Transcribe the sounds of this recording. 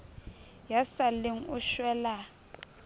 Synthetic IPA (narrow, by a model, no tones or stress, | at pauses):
jasalɪŋ̩ʊʃwɛla